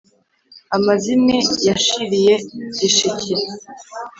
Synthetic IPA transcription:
amazinejaʃiɾijeɟiʃicʰiɾ

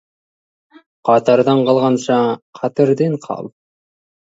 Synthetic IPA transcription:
qʰɑt̪ɑɾd̪ɑɴqʰɑlˠʁɑnʃɑqʰɑt̪əɾd̪eɴqʰɑ̰lˠ

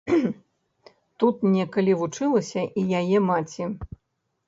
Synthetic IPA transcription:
t̪ut̪nʲɛkɐlʲivut͡ʂɨlˠɐsʲɐʔijajɛmat͡sʲi

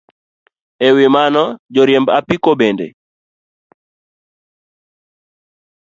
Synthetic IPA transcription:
ɛwɪmanɔd͡ʒɔɾjɛmbapikobendḛ

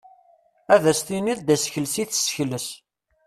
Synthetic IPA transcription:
æðæst̪iniðd̪æsçəlsiθə̥səçləs

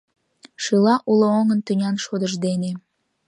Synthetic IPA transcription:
ʃɯlɑʔuləoŋənt̪ynʲɑnʃod̪əʒd̪ene

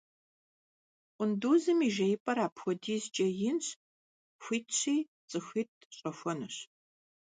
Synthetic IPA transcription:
ʔʷʊnduːzɨmiːʒɐjpʼɐɾaːpʰxʷɔdiːzt͡ʃʼɐjɪnɕ | xʷiːtʰɕiː | t͡sʼɨxʷiːt̚ʰɕʼɐxʷɔnɨɕ

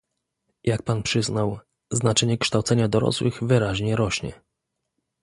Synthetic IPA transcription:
jak̚panpʂɘznaw | znat͡ʂɛɲɛkʂt̪awt̪sɛɲad̪ɔɾɔ̰swɘɣvɘɾaʑɲɛɾɔɕɲɛ̰

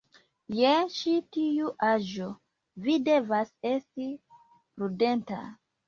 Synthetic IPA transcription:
jeʃitijuʔaʒo | vide̞vase̞sti | pɾude̞nta̰

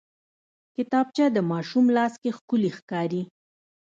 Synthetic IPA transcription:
kɪt̪ɑb̚t͡ʃad̪əmɑʃumlɑskexkʊlixkɑɾi

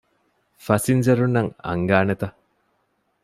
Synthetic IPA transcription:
fɐsinzɐɾunːɐŋɐ̰ŋɡaːnet̪ɐ

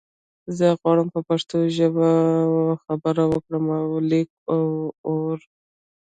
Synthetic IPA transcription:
zəɣwɑɽəmpəpaʂt̪oʒəba | xabəɾawəkɽəmawlek̚ | awoɾ

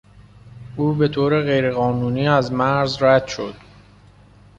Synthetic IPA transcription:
ʔuːbe̞t̪ʰoːɾe̞ɣe̞jɾe̞ɣɒːnuːniːæzmæɾzɾæd̪̥ʃo̞d̪̥

